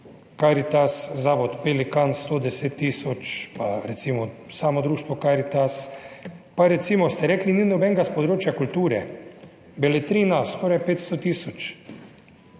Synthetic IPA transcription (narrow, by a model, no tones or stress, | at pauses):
kaɾit̪aszaːʋɔt̪pelikanst̪oːd̪ɛseːt̪ːiːsɔt͡ʃpaɾɛt̪siːmɔ | saːmɔd̪ɾuːʃt̪ʋɔkaɾit̪as | paɾɛt̪siːmɔst̪ɛɾɛːklininɔbɛŋɡaspɔd̪ɾoːt͡ʃjakult̪uːɾɛ | bɛlɛt̪ɾiːnaskɔːɾajpeːt̪st̪ot̪iːsɔt͡ʃ